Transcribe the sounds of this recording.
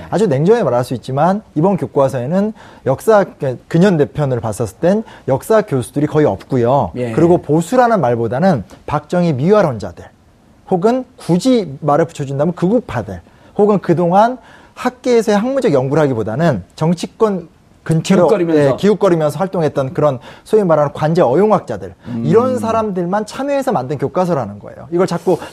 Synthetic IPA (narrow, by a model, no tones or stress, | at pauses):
ad͡ʑune̞ŋd͡ʑʌŋemaɾaɭs͈uit̚t͡ɕ͈imanibʌnkjok͈uasʰʌenɯnjʌk̚s͈aekɯɲʌnde̞pʰjʌnɯɭpas͈ʌs͈ɯt͈enjʌk̚s͈akjosʰudɯɾikʌiʌ̰p̚k͈ujokɯɾiɡoposʰuɾanɯnmaɭbodanɯnpak̚t͡ɕ͈ʌŋimiɦaɾʌnd͡ʑa̰de | hoɡɯnkud͡ʑimaɾɯɭpu̥t͡ɕʰʌd͡ʑundamjʌnkɯɡupʰade̞ | hoɡɯnkɯdoŋan | hak̚k͈eːsʰʌeɦaŋmud͡ʑʌɡjʌŋɡuɾɦaɡibodanɯnt͡ɕʌŋt͡ɕʰik͈wʌn | kɯnt͡ɕʰeɾɾiekiuk͈ʌɾimjʌnsʰʌwaɭt͈oŋɦe̞t̚t͈ʌnkɯɾʌnsʰoimmaɾanɯnkwand͡ʑe̞ʌjoŋwak̚t͡ɕ͈adɯɭiɾʌnsʰaɾamdɯɭmant͡ɕʰamjʌesʰʌmandɯnkjok͈as̬ʰʌɾanɯnɡʌ̰e̞̰jo̰iɡʌɭt͡ɕak͈o